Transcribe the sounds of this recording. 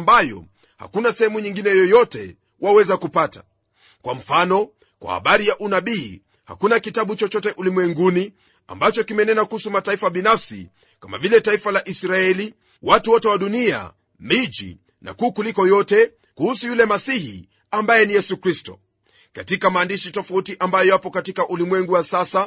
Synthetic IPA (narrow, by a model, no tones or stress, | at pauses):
mbajɔ̰ | ha̰kunasɛhɛmuɲiŋɡinɛjɔjɔtɛ | wawɛzakupatḁ | kwam̩fanɔ | kwʔa̰ha̰ɓaɾijaʔunaɓiː | ha̰kunakitaɓut͡ʃɔt͡ʃɔtɛʔulimwɛŋɡuni | a̰mbat͡ʃɔkimɛnɛnakuhusumataifaɓinafsḭ | kama̰vilɛtaifalaʔisɾaɛli | watuwɔtɛwaɗunia̰ | mid͡ʒḭ | na̰kuːkulikɔjɔtɛ | kuhusujulɛmasihḭ | ambajɛnijɛsukɾistɔ̰ | katikamaːndiʃitɔfautiʔambajɔjapɔkatikaʔulimwɛŋɡuwasasa